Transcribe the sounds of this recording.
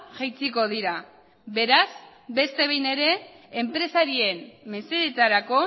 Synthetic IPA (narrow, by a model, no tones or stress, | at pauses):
ʝajt͡siko̞ð̞iɾa | βe̞ɾaz | be̞st̪e̞β̞ejne̞ɾe̞ː | mpɾe̞saɾie̞mːe̞seɾet̪aɾako̞